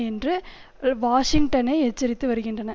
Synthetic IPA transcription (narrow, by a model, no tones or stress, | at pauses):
ɛndrɯ | ʋaːʂɪŋɡʈɐnɐɪɛt͡ʃːɪɾɪt̪ːɯʋɐɾɯɣɪndrɐnɐ